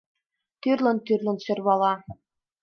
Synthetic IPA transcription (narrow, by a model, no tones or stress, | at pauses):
t̪yrlˠɤ̆nt̪yrlʲˠɤ̆nɕø̆rβɑlˠɑ